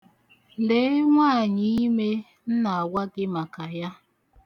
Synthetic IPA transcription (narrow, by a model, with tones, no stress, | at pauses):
le˨˦ŋʷa˦˨ɲɪ˨i˦me˦ | n̩˦na˨a˨wʷa˦ɡɪ˦ma˨ka˨ja˦